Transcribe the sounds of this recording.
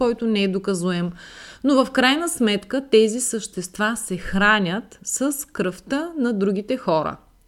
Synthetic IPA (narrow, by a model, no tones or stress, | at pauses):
kɔjt̪ʊnɛɛd̪okɐzuɛmnovɐfkɾajnəsmɛt̪kət̪ɛzisəʃt̪ɛst̪vasɛxɾanʲət̪sɐskɾəft̪ənɐd̪ɾuɡ̟it̪ɛxɔɾə̰